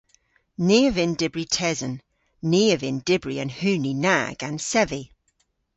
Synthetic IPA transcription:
niːəvɪ̃ndɪbɹitʰɛzə̃nː | iːəvɪ̃ndɪbɹiə̃nhʉːnina̰ɡ̥ə̃nsɛvi

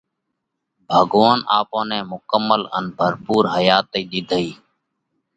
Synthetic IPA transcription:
bʱəɡaːnaːpõːnɛ̃ːmʊkəmːələ̰nbʱəɾpuːɾɦəjaːt̪iːɗ̪ɪd̪ʱəiː

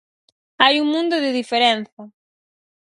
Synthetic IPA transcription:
ajuŋmũnd̪ʊðɪðifeɾen̟θɐ

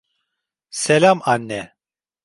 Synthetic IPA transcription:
sɛlamanːɛ

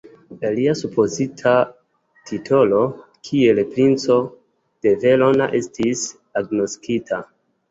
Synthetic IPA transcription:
laliasupʰo̞zitʰa | tʰitʰo̞lo̞ | kʰie̞lpɾint͡so̞ | d̥e̞ve̞lo̞na̰ʔe̞stis | aɡno̞skitʰa

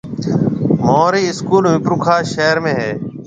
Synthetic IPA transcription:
moːɾiːɪskuːlmɪpɾukʰaːʃeːɾmẽːɦeː

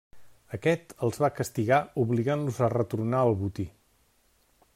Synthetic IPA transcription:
əkɛt̪əlˠzβakəst̪iɣauβliɣanluzərət̪urnaəlˠβut̪i

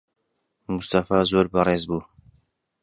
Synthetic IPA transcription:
must̪afaːzoːɾbɐreːzbuː

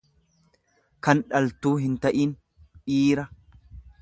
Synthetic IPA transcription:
kɐnᶑɐlt̪uːɦɪnt̪ɐʔiːn | ʔiːɾɐ

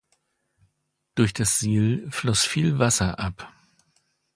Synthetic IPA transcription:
d̥ʊɐçd̥asz̥iːlflɔsfiːlvasɐʔap

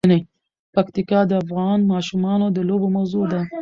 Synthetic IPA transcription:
ne | pakt̪ikɑd̪əafɣɑnmɑʃumɑnod̪əlobomawzod̪a

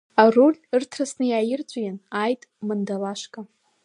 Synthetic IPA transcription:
arulʲɨrtʰrasnɨjaːjɪrt͡ɕʷʼjanajtʼmandalaʃkʼa

